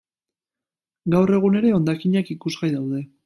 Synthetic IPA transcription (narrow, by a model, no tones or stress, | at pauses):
ɡawre̞ɣ̞une̞ɾe̞o̞nd̪akiɲakikuzɣajðawðe̞